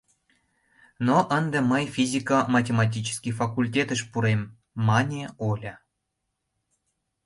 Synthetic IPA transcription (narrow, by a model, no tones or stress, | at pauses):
noʔənd̪eməjfʲizʲikəmɑtʲemɑt̬ʲit͡ɕə̥skʲijfɑkulʲtʲet̪əʃpuɾemː | ɑnʲeolʲɑ